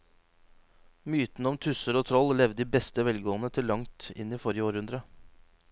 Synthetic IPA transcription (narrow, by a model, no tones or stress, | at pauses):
myːt̪nəɔmt̪ʰʉsəɾoːt̪ʰɾɔllɛʋd̪iːbɛst̪əʋɛlɡoːənət̪ʰɪlːɑŋt̪ɪ̰niːfɔɾjəoːɾhʉnd̪ɾə